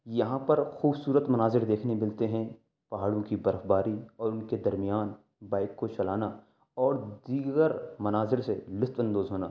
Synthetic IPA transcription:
jɐɦãpɐɾxuːbsuːɾət̪mɐnaːzɪɾd̪eːkʰnemɪlt̪eɦɛ̃ | pɐɦaːɽõkibɐɾəfbaːɾiɔːɾʊnked̪ɐɾmijaːn | baːɪkːot͡ʃɐlaːna | ɔːɾd̪iːɡəɾmɐnaːzɪɾselɪst̪ɐ̃nd̪oːzɦoːna̰ː

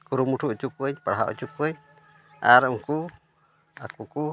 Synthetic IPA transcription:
kuɾumuʈʰuʔt͡ʃukəɲpaɽɦaɔ̰t͡ʃukuɲ | a̰ɾuŋku | akuku

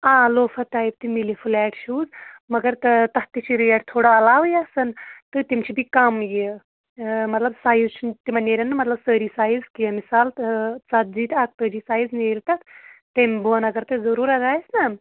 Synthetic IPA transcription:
aːloːfʰɐʈ̪aːjib̚t̪imilifʰulɛːʈʰʃʰuːzmɐɡɐɾt̪ɨt̪ɐt̪it͡ʃʰiɾiɛːʈ̚t̪ʰoːɽaɐlaːʋjasɐnt̪ɨt̪imt͡ʃʰibʱikɐmji | mɐt̪lɐbsaːjzt͡ʃʰint̪imɐneːɾʲɐnːɨmɐt̪lɐbsəːɾiːsaːjizkijɐmisaːlt͡sɐd̪̚ziːt̪ʰak̚t̪əːɾisaːjzneːɾt̪ɐt̪t̪embuɐnɐɡɐɾt̪ɨzɐɾuːɾɐɡaːjisnɐ

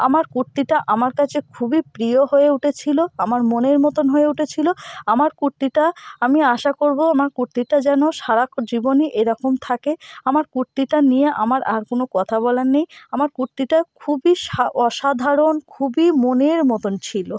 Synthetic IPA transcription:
a̰maɾkuɾt̪iʈaʔamaɾkat͡ɕʰekʰubipɾijoɦoeuʈʰet͡ɕʰiloamaɾmoneɾmɔt̪onɦoeuʈʰet͡ɕʰiloamaɾkuɾt̪iʈaamiaʃakoɾboamaɾkuɾt̪iʈad͡ʑɛnoʃaɾakd͡ʑiboniʔeɾɔkomt̪ʰakeamaɾkuɾt̪iʈanijeʔa̰maɾʔa̰ɾkonokɔt̪ʰabɔlanejamaɾkuɾt̪iʈakʰubiʃaɔʃad̪ʱaɾonkʰubimoneɾmɔt̪ont͡ɕʰilo

